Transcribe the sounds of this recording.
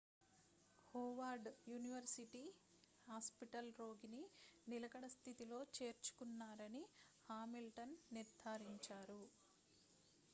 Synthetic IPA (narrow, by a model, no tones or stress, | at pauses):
hoːʋaːɾɖjuːniʋɐɾsiʈiː | haːspiʈɐlɾo̞ːɡininilɐkɐɽɐst̪ʰit̪ilo̞ːt͡ʃe̞ːɾt͡ʃu̥kunːaːɾɐni | haːmilʈɐnːiɾd̪ʱaːɾiɲt͡ʃaːɾu